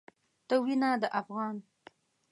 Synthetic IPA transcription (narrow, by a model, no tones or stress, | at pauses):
t̪əwinad̪əʔafɣɑn